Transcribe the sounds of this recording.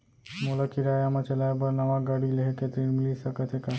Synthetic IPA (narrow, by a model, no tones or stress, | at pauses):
molakiɾajamãt͡ʃɐlajbəɾnɐʋaɡaɽileɦeket̪ɾinmilisəkət̪ʰɦeka